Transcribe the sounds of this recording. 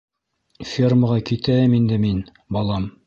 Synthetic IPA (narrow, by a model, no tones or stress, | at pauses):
fʲirməʁɑkit̪æɘmind̪ɘmin | bɑlˠɑm